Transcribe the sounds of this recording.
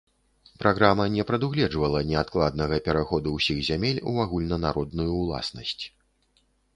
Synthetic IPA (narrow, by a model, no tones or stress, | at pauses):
pɾʔaɣɾamɐnʲɛpɾɐd̪uɣlʲɛd͡ʐvɐlˠɐnʲɛat̪klˠad̪̚nɐɣɐpʲɛɾaxɔd̪uwsʲiɣzʲamʲelʲṵaɣulʲnɐnaɾɔd̪nujuːlˠa̰snɐsʲt͡sʲ